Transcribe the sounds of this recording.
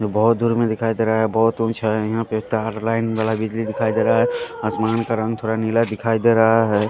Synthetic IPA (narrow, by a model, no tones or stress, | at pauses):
d͡ʒobɔɦʊt̪̚d̪uːɾmẽd̪ɪkʰaːid̪eːɾaaɦɛbɔɦt̪ʊ̃t͡ʃʰaɦɛjiɦãpet̪aɾlaːɪnbaːlabɪd͡ʒlid̪ɪkʰaːid̪eːɾaaɦɛasmaːnkaɾə̃ŋɡt̪ʰoːɾanilad̪ɪkʰaːid̪eɾəɦaɦɛː